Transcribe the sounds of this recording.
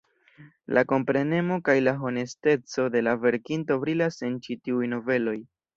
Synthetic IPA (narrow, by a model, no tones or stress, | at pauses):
lʔako̞mpɾe̞ne̞mo̞kajlaɦo̞ne̞ste̞t͡so̞de̞lave̞ɾkinto̞vɾilase̞nt͡ʃitiujno̞ve̞lo̞j